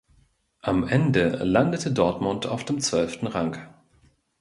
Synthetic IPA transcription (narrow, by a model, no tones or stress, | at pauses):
ʔamʔɛndəlandətʰədɔɐtmʊntʰa̰ʊfd̥eːmt͡sv̥œlftn̩ʁaŋk